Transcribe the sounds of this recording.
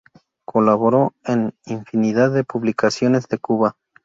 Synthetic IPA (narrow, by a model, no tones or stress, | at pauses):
kʰolaβoɾo̞eniɱfiniðaðːepuβlikasjo̞ne̞zðe̞kuβa